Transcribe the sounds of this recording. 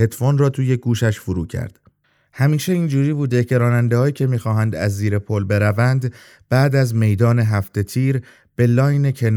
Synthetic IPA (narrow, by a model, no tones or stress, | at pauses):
et̪fonrɒːt̪ʰuːje̞ɡuːʃæʃfoɾṵːcʰæ̰ɾd̪̥ | hæmiːʃe̞ind͡ʒuːɾiːbuːd̪ecʰe̞ɾɒːnænd̪ehɒːjiːcʰe̞miːxɒːɦænd̪æ̰zːiːɾe̞pʰolbe̞ɾævænd̪ | b̥æːd̪æzme̞jd̪ɒːne̞ɦæft̪e̞t̪ʰiːɾ | b̥e̞lɒːjne̞cʰe̞n